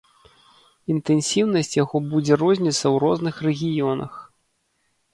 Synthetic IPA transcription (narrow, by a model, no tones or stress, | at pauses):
int̪ɛnsʲiwnɐsʲt͡sʲjaɣɔbud͡zʲɛrɔzʲnʲit̪sːɐwɾɔznɨxrɛɣʲijɔnɐ̰x